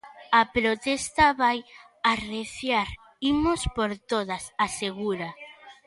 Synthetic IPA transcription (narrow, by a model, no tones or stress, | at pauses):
apɾot̪est̪aβaj | areθjaɾ | imospoɾt̪oðasaseɣuɾa